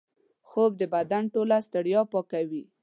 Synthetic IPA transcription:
xob̚d̪əbad̪anʈolast̪ɪɽjɑpɑkawi

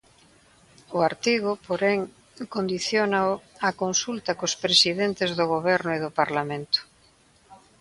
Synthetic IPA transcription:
ʊaɾt̪iɣopoɾeŋ | kond̪iθjonaakonsult̪akospɾesiðent̪ezðoɣ̞oβ̞ɛɾnʊeðopaɾlamẽnt̪ʊ̥

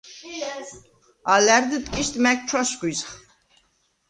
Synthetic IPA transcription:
alæɾd̪ət̪ʼkʼiʃt̪ʼmɛk̚t͡ʃʰwaʃɡʷwizχ

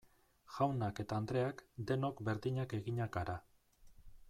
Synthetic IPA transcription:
ʝawnake̞t̪aːnd̪ɾe̞akd̪e̞no̞kbe̞ɾðiɲake̞ɣiɲaɡaɾa

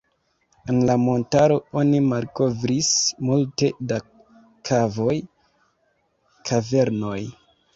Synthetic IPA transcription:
enlamo̞ntaɾo̞o̞nimalko̞vɾismulte̞da | kʰavo̞j | kʰave̞ɾno̞j

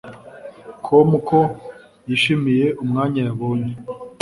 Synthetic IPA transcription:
kʰomukʰo | jiʃimije̞ʔumŋaːɲajaβoːɲe

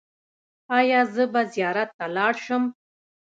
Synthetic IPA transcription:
ɑjɑzəbazjɑɾat̪ːalɑɽʃəm

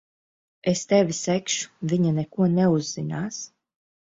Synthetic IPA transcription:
est̪ɛvʲisɛkʃu̥vʲiɲanɛkuɔnɛuzːinaːs

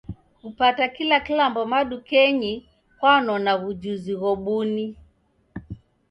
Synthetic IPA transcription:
upatakilakilambɔmaɗukɛɲi | kwanɔnaɣud͡ʒuziɣɔɓuni

